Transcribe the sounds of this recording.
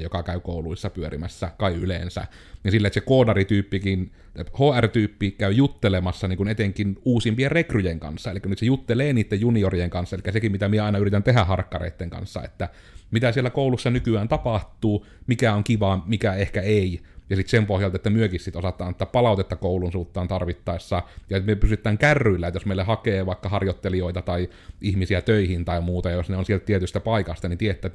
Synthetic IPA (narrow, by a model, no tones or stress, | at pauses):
jokɑkæykoˑuluisːɑpyørimæsːækɑiʔʔylḛnsæ̰ | jɑsilːæt̪sekoːdɑrit̪yːpːikin | hoːært̪yːpːikæyjut̪ːelemɑsːɑniːŋkunet̪eŋkinuːsimpierekrujeŋkɑ̰nsːɑelikːænyt̪sejut̪ːeleːniːt̪ːejjuniorijeŋkɑnsːɑelikːæsekimmit̪æmieɑˑinɑyrit̪ænt̪ehæhɑrkːɑrḛˑit̪ːeŋkɑ̰nsːɑ̰ḛt̪ːæ | mit̪æsielːækoˑulusːɑnykyæːnt̪ɑpɑht̪ːˑuː | mikæoŋkiʋɑmikæehkæeijɑsit̪sempohjɑlt̪ɑet̪ːæmyøkissit̪osɑt̪ˑɑːnet̪ːæppɑlɑˑot̪et̪ːɑkoˑulunsuːt̪ːɑːnt̪ɑrʋit̪ːɑesːɑjɑmyøpysyt̪ːˑæːŋkærːylːæet̪josmeˑilːehɑkeːʋɑˑekːɑhɑrjot̪ːelioit̪ɑt̪ɑi | ʔihmisiæt̪øihint̪ɑˑimuːt̪ɑjɑjosneonsielt̪t̪iet̪yst̪æpɑˑikɑst̪ɑnint̪iet̪ːˑæːt̪